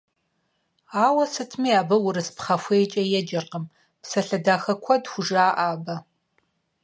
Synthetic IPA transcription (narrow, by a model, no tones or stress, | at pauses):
aːwɐsɨtʰmiːaːbɐwʊɾɨspχɐfʷeːt͡ʃʼɐjɛd͡ʒɐrqəm | psɐɬɐdaːxɐkʷʰɔdxʷʊʐaːʔaːbɐ